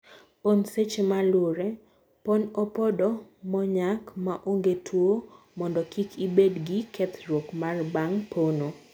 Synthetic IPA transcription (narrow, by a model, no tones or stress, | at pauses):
ponset͡ʃemalʊɾe | ponɔpɔdɔmɔɲakmaʔoŋɡetʰwo | mɔndɔkikʰibedɡikɛt̪ɾwokmarbaŋpʰono